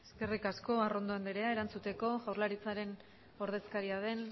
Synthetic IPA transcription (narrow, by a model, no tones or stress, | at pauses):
eske̞rikasko̞aro̞nd̪oend̪eɾe̞ae̞ɾant͡sut̪e̞ko̞ɣawɾlaɾit͡saɾe̞n | o̞ɾð̞e̞skaɾiaðe̞n